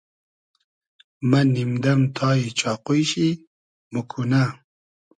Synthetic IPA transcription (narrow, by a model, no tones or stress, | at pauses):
mɐnimd̪ɐmt̪ʰɑːit͡ɕʰɑːqujɕi | mukʰuna